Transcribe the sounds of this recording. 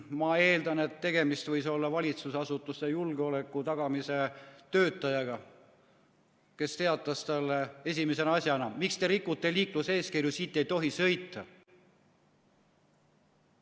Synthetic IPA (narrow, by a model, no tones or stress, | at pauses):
mɑe̞ːld̪ɑne̞t̪ːe̞ɡe̞mist̪vɤjso̞lːɑvɑlʲit̪susɑsut̪ːˑusejulɡ̥eo̞le̞kːˑut̪ɑɡ̥ɑmise̞t̪ø̞ːt̪ːˑɑjɑɡɑ | ke̞st̪e̞ɑt̪ːˑɑst̪ɑlːee̞s̬ʲimese̞nɑsʲjɑnɑmikst̪eɾikːˑut̪ːˑe̞liːkluse̞ːskirjusiːt̪ːe̞jt̪o̞ɦisɤ̞jt̪ːˑɑ